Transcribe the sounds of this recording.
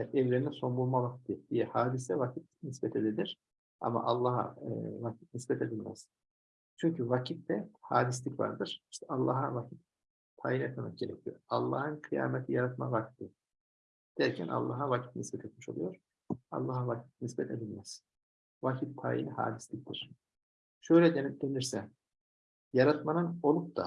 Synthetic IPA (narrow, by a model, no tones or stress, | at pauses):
ʔɛvleɾinɛso̞mbulˠmavakt̪ʰːɯd̪̥ijɛhaːd̪isɛvacʰit̪̚nisbɛt̪ʰe̞d̪elʲiɾ̥ | a̰ma̰ʔalˠːaːha̰vacʰi̥t̪̚nisbɛt̪ʰe̞d̪ilʲmɛ̰z̥ | t͡ʃʰyɲcʰyvacʰit̪̚d̪ɛhaːd̪is̬lʲicva̰ɾd̪ɯɾ̥i̥ʃt̪ʰɛalˠːaːɦavacʰit̪̚ | t̪ʰa̰ːjinet̪mɛmɛ̰k̚ɟ̥ʲe̞ɾɛcʰijoɾalˠːa̰ːhɯnkʰɯja̰ːmɛt̪ʰijaɾat̪ma̰vak̚t̪ʰːɯ | d̪̥æɾcʰænʔa̰lˠːaːɦavacʰi̥t̪nisbɛt̪ʰet̪miʃo̞lˠujo̞ɾ̥ | a̰lˠːaːɦavacʰi̥t̪̚nisbɛt̪ʰe̞d̪ilʲmɛz̥ | vacʰit̪̚p̪ʰa̰ːjḭnɛha̰ːd̪islʲic̚t̪ʰiɾ̥ | ʃø̞jlʲɛd̪d̪e̞niɾsɛ | jaɾat̪manɯno̞lˠup̚d̪a̰